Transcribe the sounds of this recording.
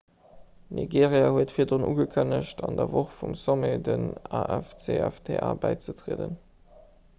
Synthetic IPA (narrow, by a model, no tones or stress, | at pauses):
niɡeːʁjahuətfiːɐdʁonʔṵːɡəkʰənəʃtʰɑndɐvoχfumsomedənɑʔɛft͡seæftʰeʔaːbæɪt͡sətʁeədən